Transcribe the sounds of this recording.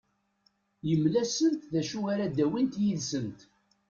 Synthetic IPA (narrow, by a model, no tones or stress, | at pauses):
jəmlæsənt̪ðæʃuɣaɾad̪æwint̪jiðsənt̪